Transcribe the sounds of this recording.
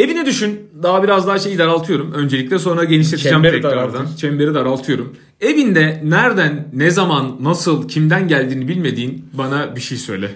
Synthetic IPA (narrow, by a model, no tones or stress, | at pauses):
e̞vinɛd̪yʃynd̪aɦabiɾazd̪aɦaʃe̞jid̪aɾalˠt̪ʰɯjo̞ɾumø̞nd͡ʒe̞lʲiclʲɛs̬o̞nɾaaɟeniʃ̬lʲeid͡ʒæmɾɛkɾaɾd̪ant͡ʃʰɛmbe̞ɾid̪aɾalˠt̪ʰɯjo̞ɾum | e̞vind̪ɛnæɾd̪ænːɛzamanːasɯlˠcʰimd̪ænɟælʲd̪iːnibilʲme̞d̪iːnbanabiʃejsø̞jlʲɛ